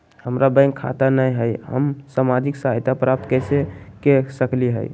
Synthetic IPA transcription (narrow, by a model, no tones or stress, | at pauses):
həmɾabə̃ɪ̃ŋɡkʰːa̰t̪anəjɦəjɦə̰msamad͡ʒiksaɦajt̪apɾap̚t̪kəɪsekesəkliɦə̰j